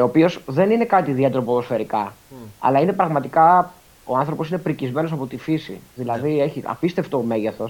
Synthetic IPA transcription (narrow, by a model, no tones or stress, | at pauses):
opio̞sðe̞nine̞kɐt̪iðiɐt̪ɾopoðo̞sfe̞ɾikɐɐ̰lɐine̞pɾɐɣmɐt̪ikɐ | o̞ɐnθɾo̞po̞sine̞pɾicizme̞nosɐpo̞t̪ifisḭðilɐðieçiɐ̰pist̪e̞ft̪oːme̞ʝeθo̞s